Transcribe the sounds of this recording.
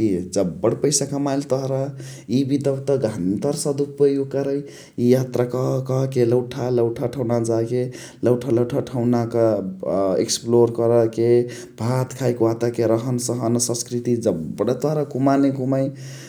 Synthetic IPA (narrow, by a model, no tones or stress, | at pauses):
kid͡ʒəbːəɽpəjsakəmajlt̪ɔɦɾa | ibid̪əbt̪əɡʱant̪əɾsəd̪upəjoɡ̚kʌɾəj | ijat̪ɾakʌɦkʌɦkeləwʈʰaləwʈʰaʈʰəwnad͡ʒake | ləwʈʰaləʈʰaʈʰəwnakə | ḛksploɾkʌɾəke | bʱat̪kʰajkwat̪akeɾʌɦənsəɦənsə̃skɾit̪id͡ʒəbɽʌt̪ɔɦɾakumaneɡumaj